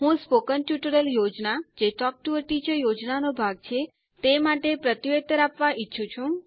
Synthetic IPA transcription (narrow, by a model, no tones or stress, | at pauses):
ɦũspokənʈjuʈəɾəljod͡ʒnad͡ʒeʈɔk̚ʈuʋəɾʈid͡ʒəjod͡ʒnanobʱaɡ̚t͡ʃʰe | t̪emaʈepɾət̪iʋet̪əɾapʋaʔitːʃʰũt͡ʃʰũ